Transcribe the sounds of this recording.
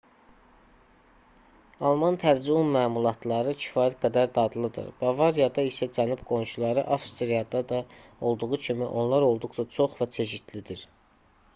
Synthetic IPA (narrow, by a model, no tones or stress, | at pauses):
ɑlˠmɑnt̪ʰæɾd͡ʒiumːæːmulˠɑt̪ʰlˠɑɾɯcʰi̥fɑːjæt̪̚ɡæd̪æɾd̪ɑd̪lˠɯd̪ɯ̰ɾb̥ɑvɑɾijɑd̪ɑisæd͡ʒænubɡo̞nʃulˠɑɾɯ̰ʔɑfst̪ɾijɑd̪ɑd̪ɑo̞lˠd̪uɣucʰimiʔo̞nlˠɑɾo̞lˠd̪uʁd̪ɑt͡ʃʰo̞χvæt͡ʃʰe̞ʃid̪lid̪iɾ